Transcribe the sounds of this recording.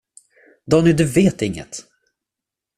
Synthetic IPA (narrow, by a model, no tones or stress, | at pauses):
d̪ɔnɪd̪ɵveːt̪ɪŋːə̰t̪